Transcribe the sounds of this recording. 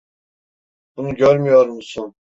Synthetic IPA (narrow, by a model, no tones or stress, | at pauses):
b̥unuɟøɾmyjoɾmusun